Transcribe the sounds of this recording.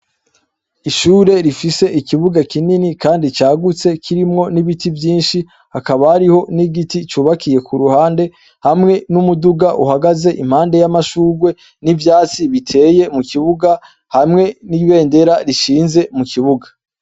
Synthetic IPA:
iʃuːɾe̞ɾifise̞ʔikiβuɡakininikaːndit͡ʃaːɡut͡se̞kʰiɾimŋo̞niβitivjiːnʃi | hakaβahaɾiho̞niɡitit͡ʃuːβakʰije̞kʰuɾuhaːnde̞ | hamŋe̞numuduɡaʔuɦhaɡaze̞ʔim̥haːnde̞jamaʃuːɡwe̞ | nivjaːt͡siβitʰe̞ːje̞mukiβuɡa | hamŋe̞niβe̞ːnde̞ɾaɾiʃiːnze̞mukʰiβuɡa

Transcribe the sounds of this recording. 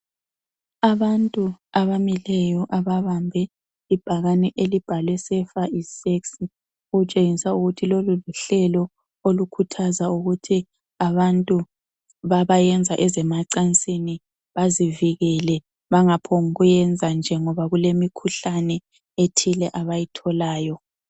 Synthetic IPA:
aβantʼuaβamilɛjɔʔaβaβambʱɛ | ib̥ʱaɣanɛʔelib̥ʱalwɛsɛfaiseksi | uɣut͡ʃʼeŋisauɣutʰiloluluɬɛlɔ | olukʰutʰazauɣutʰi | aβantʼu | βaβajɛnd͡zʱaʔɛzɛmaǀant͡sʼini | βaziviɣɛlɛ | βaŋapʰɔŋuɣujɛnd͡zʱand͡ʒʱɛŋɔβaɣulemikʰuɬanɛ | etʰilɛʔaβajitʰɔlaːjɔ

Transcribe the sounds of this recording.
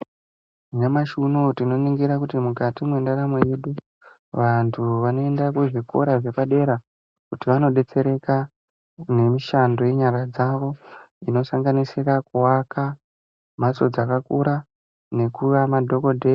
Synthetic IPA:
uɲamaʃunotino̞niŋɡiɾakutimukatimwe̞ndaɾamo̞je̞ɗu | ʋantʰuʋano̞e̞ndakuʐiko̞̰ɾaʐe̞paɗe̞ɾa | kutiʋano̞ɗe̞t͡se̞ɾe̞ka | ne̞miʃando̞je̞ɲaɾad͡zaʋo̞ino̞saŋɡanisirakuwakʰa | m̤at͡so̞d͡zakakuɾa | ne̞kuʋamadʱo̞kodʱe

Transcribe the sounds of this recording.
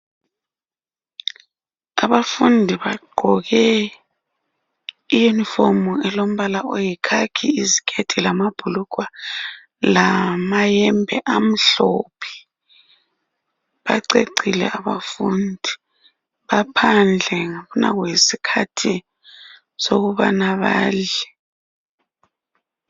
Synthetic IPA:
aβafundʱiβaɡ͡ǃʱɔɣɛ | ijunifomuɛlom̩βalaojikʰakʰiizikʰʼed̥ʰʱilamab̥ʱulukwa | lamajɛmbʱɛʔam̩ɬopʰi̥ | βaǀeǀilɛ̰ʔaβafundʱi | βapʰand͡ɮʱɛŋaβuna̰wesikʰatʰi | soɣuβa̰naβa̰ːɮɛ

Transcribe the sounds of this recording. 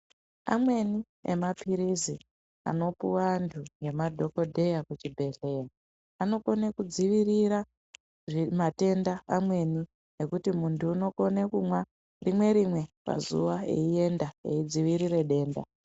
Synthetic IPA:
a̰mwe̞ni | ḛmapʰiɾizi | a̰no̞puwantʰuje̞madʱo̞ko̞dʱe̞jakut͡ʃibʱe̞ɮe̞ja | ano̞ko̞nekud͡ziʋiriɾa | ʐimate̞ndaamwe̞ni | ne̞kutimuntuːno̞konekumwa | rimwe̞ɾimwe̞pa̰zṵʋaḛie̞ndaeid͡ziʋiɾiɾe̞ɗe̞ːnda̰

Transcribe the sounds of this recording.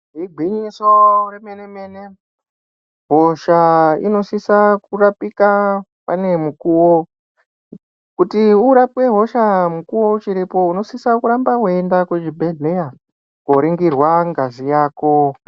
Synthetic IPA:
ɦiɡʱiɲisoremeneme̞ne | ɦoʃaḭno̞sisakurapika | pane̞mukuwo | kutiuɾapwe̞ɦo̞ʃamukuwo̞ut͡ʃiɾipo̞uno̞sisakuɾambakuendakwed͡ʒibʱeɮe̞ja | koɾiŋɡirwaŋɡazijaːko̞

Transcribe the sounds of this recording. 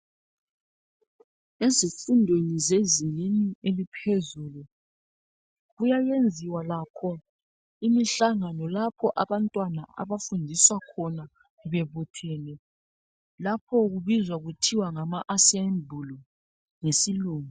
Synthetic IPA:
ezifundʱwenizezininielipʰezuːlu | ɣujajend͡zʱiwalakʰɔ | imiɬaŋanɔlapʰɔʔaβantʼwanaʔa̰βafundʱiswakʰɔna | βɛβutʰɛːlɛ | lapʰɔɣuβizwaɣutʰiwaŋamaʔasambʱulɔ | ŋesiluːŋu

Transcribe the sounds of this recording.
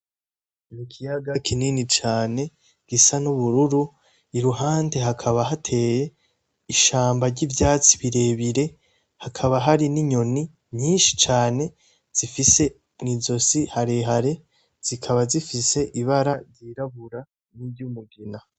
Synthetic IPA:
nikʰijaɡakʰininit͡ʃaːne̞ | ɡ̥isanuβuɾuɾu | iɾuɦaːnde̞ɦakʰaβaɦatʰe̞ːje̞ | iʃaːmbaɾɟivjaːt͡siβiɾe̞ːβiɾe̞ | hakʰaβaɦaɾiniɲo̞ni | mɲiːnʃi̥t͡ʃaːne̞ | z̥ifise̞ | nizo̞sihaɾeɦaɾe̞ | z̥ikʰaβazifise̞ʔiβaɾaɾɟiɾaβuɾa | nibɟumuɡina

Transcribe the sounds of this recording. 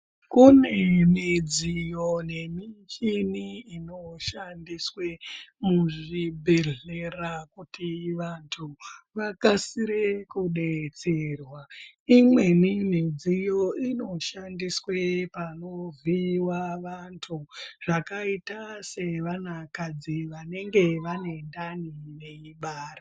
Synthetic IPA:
kune̞mid͡zijo̞ne̞mit͡ʃiniːno̞ʃandiswemuʐibʱe̞ɮe̞rakutiʋantʰuʋakasiɾekuɗet͡serwa | imwe̞nin̤ed͡zijo̞ino̞ʃandiswepano̞viwaʋantʰuʐ̥akaitase̞ʋanakad͡ziʋane̞ŋɡe̞ʋane̞ndanine̞iɓaːra

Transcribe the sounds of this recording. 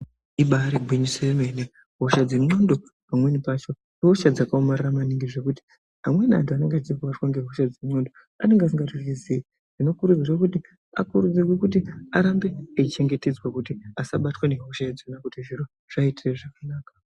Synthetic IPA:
iɓaɾiɡʱwiɲisermene | ɦo̞ʃad͡zemŋ͡ǀondo̞ | pamwe̞nipaːt͡ʃo̞ | eɦoʃad͡zakaomariramaniŋɡiʐe̞kuti̥ | ɦamwe̞na̰ntuane̞ŋɡeat͡ʃikuʋatwaŋɡeɦo̞ʃad͡zeŋ͡ǀondo̞ | a̰ne̞ŋɡas̬iŋɡatirizi | ʐ̥ino̞kuɾud͡zirwakuti | a̰kuɾud͡zirwekut̬iaɾambe̞ːt͡ʃit͡ʃe̞ŋɡe̞te̞d͡zwakutiasaɓatweneɦo̞ʃaad͡zonakutiʒiɾo | ʐ̥aitireʐakanaːkḁ

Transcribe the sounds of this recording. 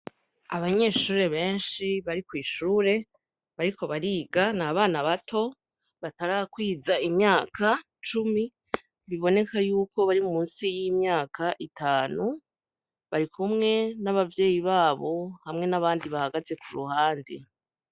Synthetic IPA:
aβaɲe̞ːʃuːɾe̞βe̞ːnʃiβaɾikwiːʃuːɾe̞ | βaɾikʰo̞βaɾiːɡanaːβaːnaβatʰo̞ | βataɾakwiːzaimɲaːkʰa | t͡ʃumi | βiβo̞ne̞kajuːko̞βaɾimumuːnsijimɲaːkaʔitaːnu | βaɾikʰumŋe̞naβavje̞ːjiβaːβo̞hamŋe̞naβaːndiβahaɡaze̞kuɾṵhaːndḭ

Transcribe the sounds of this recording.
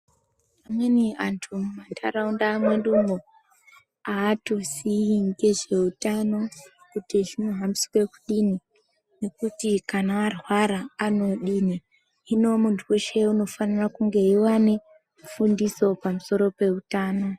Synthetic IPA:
pamwe̞niantʰumumatʰaraundaːmwe̞ndumɡo | aːto̞siiŋɡe̞ʒe̞utano̞ | kutiʐino̞ɦamiskwe̞kuɗini | ne̞kutikanaːrwaɾaːno̞ɗini | ino̞muntʰuweʃe̞uno̞fanirakuŋɡe̞iwane̞ | fundiso̞pamuso̞ɾo̞pe̞utaːno̞

